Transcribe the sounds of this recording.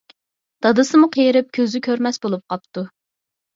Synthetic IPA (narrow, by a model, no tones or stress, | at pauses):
d̪̥ɑd̪ɨsɨmuqʰejɾɪp̚kʲʰøzɪkʲʰøɾmɛsbolˠup̚qʰɑp̚t̪u